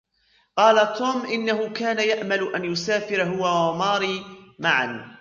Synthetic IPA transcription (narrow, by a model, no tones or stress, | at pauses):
qɑːlat̪ʰuːmʔɪnːaɦʊkaːnajaʔmalʊʔanjʊsaːfɪɾɦʊwawmɑːɾiːmaʕa̰n